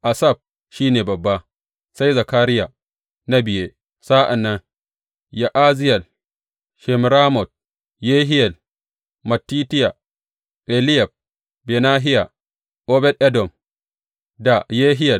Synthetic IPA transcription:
ʔa˨sa˦˨b̚ | ʃiː˦neː˨bɐ˨bːa˦ | sa˦jza˨kaː˦ɾɪ˦ja˨ | na˦bɪ˨je˦ | sa˦ʔa˨nːɐ˦ŋ | ja˨ʔaː˦zɪ˦jɐ˨l | ʃɛ˨m˨ɾaː˦mɔ˨t̚ | jeː˦ɦɪ˦jɐ˨l | mɐ˨tːiː˦tɪ˦ja˨ | ʔɛ˨lɪ˦ja˨b̚ | be˨naː˦ɦɪ˦ja˨ | ʔo˦bɛ˦tʔɛ˦dɔ˨m | da˨jeː˦ɦɪ˦jɐ˨

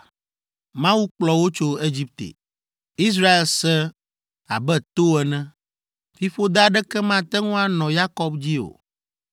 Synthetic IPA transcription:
mã˦wu˦k͡plɔ˨wo˦t͡ʃo˦e˦d͡ʑi˦p̚t̪ḛ˨ | i˦s̬ɾa˦e˦lsɛ˦ | a̰˨bɛ˦t̪o˦ɛ˨nɛ̃˦ | fi˦fo˦d̪a˦ɖɛ˦kɛ˦mã˦t̪ɛ˦ŋũ˦a˦nɔ̃˨ja˦kɔ˦bd͡ʑi˦o̰˨

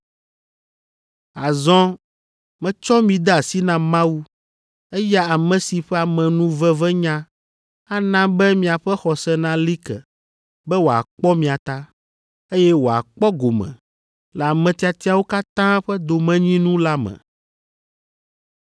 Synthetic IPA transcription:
a˨zɔ̃˦ | mɛ̃˨t͡ʃɔ˦mĩ˨d̪ɛ˦a˨si˦nã˦mã˦wu˦ | ɛ˦ja˦a˨mɛ̃˨si˨ɸɛ˦a˨mɛ̃˨nũ˦vɛ˦vɛ˦ɲã˦ | a˦nã˦bɛ˦mĩ˨a˨ɸɛ˦xɔ˨sɛ˦nã˦li˦kɛ˨ | bɛ˦wo˨a̰˨k͡pɔ˦mĩ˨a˨t̪a˦ | e˦jɛ˦wo˨a̰˨k͡pɔ˦ɡo˨mɛ̰̃˨ | lɛ˨a˨mɛ̃˨t̪i˨˦a˨t̪i˦a˨wo˦ka˦t̪ã˦ɸɛ˦d̪o˨mɛ̃˦ɲĩ˦nũ˦la˦mɛ̰̃˨

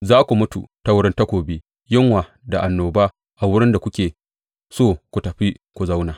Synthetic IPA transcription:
zaː˦kʷu˨mʊ˦tṵ˨ta˦wʊ˦ɽɪ˦nta˦kʷoː˨biː˦ | jɪ˦ŋwaː˨ | da˨ʔa˨nːoː˨baː˦ | ʔa˨wʊ˦ɽɪ˦nda˨kʷʊ˦kʲeː˨ | soː˦˨kʷu˨tɐ˨ɸi˦kʷu˨za˦wnaː˨

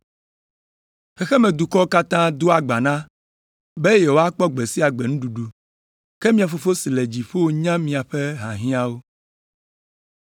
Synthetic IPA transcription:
xɛ˦xɛ˦mẽ˨d̪u˨kɔ˦o˦ka˦t̪ã˦d̪o˦a˨ɡ͡ba˨nã˦ | be˦je˨wo˦a˦k͡pɔ˦ɡ͡be˨si˦a˨ɡ͡be˨nũ˦ɖu˨ɖu˨ | ke˦mĩ˦a˨fo˨fo˦si˨le˨d͡ʑi˨ɸo˦wo˦ɲã˦mĩ˨a˨ɸe˦ɦã˨ɦĩ˦a˦wo˦

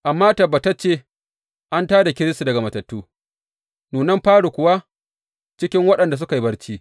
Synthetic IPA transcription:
ʔa˨mːaː˦tɐ˨baː˨ta˦t͡ʃeː˦ | ʔa˦ntaː˦da˨kʲɪ˦ɽɪ˦stu˨dɐ˨ɡa˨mɐ˨tɐ˨tːuː˦ | nuː˨nɐ˦mɸaː˦ɽu˨kʷʊ˨wa˦ | t͡ʃɪ˦kʲɪ˦ŋwɐ˦ɗɐ˨nda˨s̬ʊ˦ka˨ji˨bɐ˦ɽt͡ʃiː˦

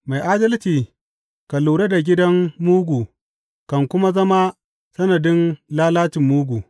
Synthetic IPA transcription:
ma˨jʔaː˦dɐ˦lt͡ʃiː˨ | ka˨luː˨ɽe˦da˨ɡʲɪ˦dɐ˦mːuː˦ɡʷuː˨ | kɐ˨ŋkʷʊ˦ma˦zɐ˦ma˦ | sɐ˦nɐ˨dɪ˦nlaː˦laː˦t͡ʃɪ˨mːuː˦ɡʷuː˨

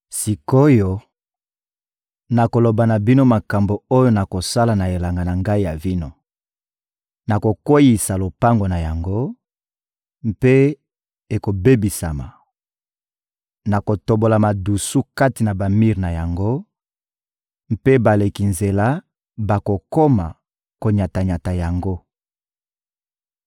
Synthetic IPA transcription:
si˨ko˦jo˦ | na˨ko˨lo˨ba˨na˨bi˦no˦ma˨ka˨mbo˨o˦jo˦na˨ko˨sa˦la˨na˨e˨la˨ŋɡa˨na˨ŋɡa˦i˦ja˨vi˦no˦ | na˨ko˨kwo˦ji˨sa˨lo˨pa˦ŋɡo˨na˨ja˨ŋɡo˦ | m˦pe˦ | e˨ko˨be˦bi˨sa˨ma̰˨ | na˨ko˨to˨bo˨la˨ma˨du˨su˦ka˦ti˨na˨ba˨mi˦ʁna˨ja˨ŋɡo˦ | m˦pe˦ba˨le˨ki˨nze˨la˦ | ba˨ko˨ko˦ma˨ | ko˨ɲa˨ta˨ɲa˨ta˨ja˨ŋɡo˦

